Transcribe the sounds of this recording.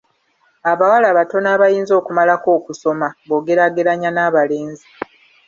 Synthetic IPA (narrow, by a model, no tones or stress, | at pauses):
aβawalaːβato̞naːβajiːnzo̞ːkumalako̞ːkuso̞maβo̞ːɡe̞ɾaɡe̞ɾaɲanaːβale̞ːnzi